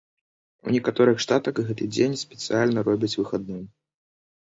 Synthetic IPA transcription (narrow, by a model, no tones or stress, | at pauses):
ṵnʲɛkat̪ɔɾɨxʂt̪at̪ɐɣɣɛt̪ɨd͡zʲenʲspʲɛ̥t̪sɨalʲnɐɾɔbʲɐt͡sʲvɨxad̪̚nɨm